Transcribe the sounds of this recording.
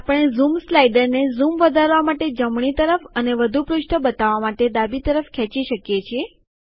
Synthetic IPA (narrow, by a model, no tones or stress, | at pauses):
apəɽ̃ezumslajɖəɾnezumʋəd̪ʱaɾʋamaʈed͡ʒəmɳit̪əɾəfəneʋəd̪ʱupɾʊʃʈʰəbət̪aʋamaʈed̪abit̪əɾəfkʰɛt͡ʃiʃəkjet͡ʃʰie